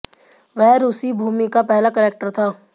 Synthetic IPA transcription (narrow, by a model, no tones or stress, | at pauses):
ʋɛɦɾʊsibʱuːmikapɛɦlakɛɾeːk̚ʈəɾt̪ʰaː